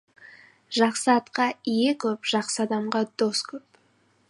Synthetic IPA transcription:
ʒɑqsəɑt̪qɑijekʲʰɵpʒ̥ɑqsəɑd̪ɑmʁɑd̪oskʲʰɵp

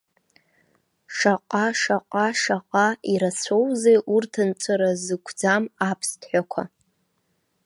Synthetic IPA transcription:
ʂaqʷʼaʂaqʷʼaʂaqʼaiɾat͡sʷʰowzejʔurtʰɨnt͡sʷʼaɾazɨkʷʰd͡zamapʰstʰħʷᶣakʷʰa̰

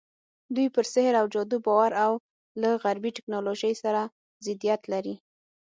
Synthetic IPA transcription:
d̪ujpəɾsɪhɾawd͡ʒɑd̪ubɑwaɾaw | laɣaɾbiʈɪ̥knɑloʒəjsaɾa | zɪd̪ijat̪laɾi

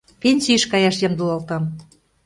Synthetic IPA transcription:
pʲenʲsʲiəʃkɑjɑʃjɑmd̪ulɑlt̪ɑm

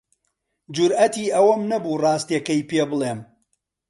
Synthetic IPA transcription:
d͡ʒʊɾʔɐt̪iːʔɐwɐmnɐbuːrˤɑːst̪ɐkɐjpeːbɨlˠeːm

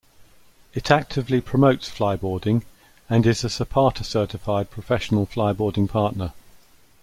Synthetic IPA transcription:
ɪtʰak̚tʰɪvlipʰɹ̥əməʊtsflaɪbɔːdɪ̃ŋ | ə̃nɪzəsəpʰɑˑtʰəsɜˑtɪfaɪd̚pʰɹ̥əfɛʃənəlˠflaɪbɔːdɪ̃ŋpʰɑˑʔnə

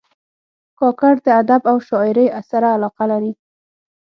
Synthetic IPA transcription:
kɑkaɾd̪əad̪abawʃɑɪɾəjasaɾaːlɑqalaɾi

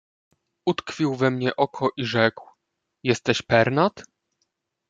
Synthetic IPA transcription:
ut̪kfʲiwvɛmɲɛʔɔkʰɔʔiʐɛkw | jɛst̪ɛɕpɛɾnat̪

